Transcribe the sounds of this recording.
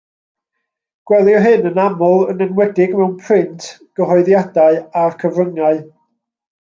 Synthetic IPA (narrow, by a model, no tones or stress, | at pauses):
ɡ̥wɛlˠjɔɦɨnənamɔlˠənɛnwɛdɪɡmɛwnpʰrɪntʰɡ̥əɦɔɨðjadaɨarkʰəvrəŋaɨ